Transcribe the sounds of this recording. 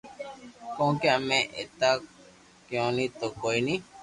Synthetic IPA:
kõkeamẽʔḛt̪a | kjõnĩt̪okoinĩ

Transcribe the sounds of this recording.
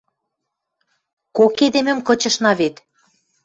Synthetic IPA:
koked̪emɘ̆mkɤ̆t͡ɕɤ̆ʃnɑβet̪

